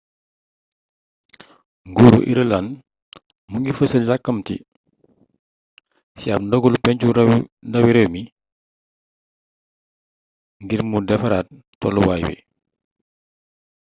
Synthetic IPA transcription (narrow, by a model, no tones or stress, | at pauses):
ŋɡuːɾṵʔḭɾəlan | muŋɡifəsəlɟakːɐmtḭ | siapndɔɡulupɛɲcuɾndɐwiɾɛwmi | ŋɡiɾmudɛfɐɾat̚ | tɔ̰luwaːjbḭ